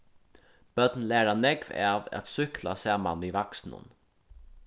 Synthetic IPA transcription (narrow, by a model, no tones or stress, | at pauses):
b̥œd̪̥nlæːɾanɛɡvæ̰ːʋa̰t̪sʏkʰla̰sæːma̰niːʋaksn̩ə̰n